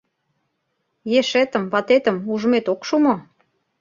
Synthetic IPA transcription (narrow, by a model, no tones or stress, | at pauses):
jeʃet̪ə̆mβɑt̪et̪ə̆muʒə̆met̪okʃumo